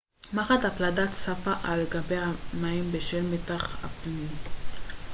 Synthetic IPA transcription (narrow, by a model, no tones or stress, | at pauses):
maχatapladatsafaʔaleɡabejhamaimbeʃelmetaχha̰pnim